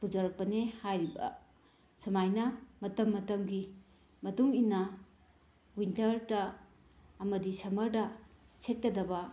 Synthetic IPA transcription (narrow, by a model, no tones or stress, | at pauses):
bud͡ʒɐɾɐk̚pɐnehajɾibɐ̰ | sɐmajnɐmɐtɐmːɐtɐmɡi | mɐtuŋinːɐ | wintɐɾdɐː | mɐdisɐmɐɾdɐ | set̚kɐdɐbɐ